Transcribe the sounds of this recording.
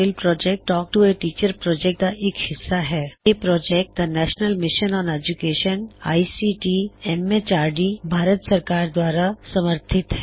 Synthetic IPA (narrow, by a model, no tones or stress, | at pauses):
ɪlpɾɔːd͡ʒek̚ʈːɔːk̚ʈueʈiːt͡ʃəɾpɾɔːd͡ʒɛk̚ʈ̚d̪aʔekhɪsːaɦɛːepɾɔːd͡ʒek̚ʈ̚d̪anɛːʃnəlmɪʃənɔ̃ːned͡ʒukeːʃəna̰ːisiʈiɛmet͡ʃaːɾɖibʱaːɾət̪səɾkaːɾd̪waːɾasɐməɾt̪ʰɪt̪ɦɛ